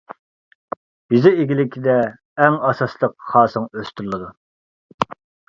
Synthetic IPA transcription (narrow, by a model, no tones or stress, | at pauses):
b̥ɪzɪeɡʲilɪkʲʰid̪ɛː | ŋɑsɑslˠəqχɑːsɨŋøst̪yɾlˠɨd̪u